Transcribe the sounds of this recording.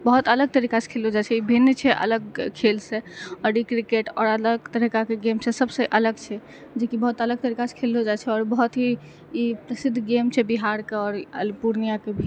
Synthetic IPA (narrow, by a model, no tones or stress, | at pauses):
bəɦut̪ələɡ̚t̪əɾikase̥kʰelɦod͡ʒat͡ʃʰɛibʱinːt͡ʃʰɛʔə̰ləɡkʰelseɔɾikɾikeʈɔ̰ːɾələɡt̪əɾikakeɡemsesəbseʔələɡt͡ʃʰɛ | d͡ʒekibəɦut̪ələɡ̚t̪əɾikase̥kʰelɦod͡ʒat͡ʃʰɛɔːɾbəɦut̪ɦiː | pɾəsid̪ʱːɡemt͡ʃʰɛbiɦaɾkeɔːɾəlpuɾnijakebʱi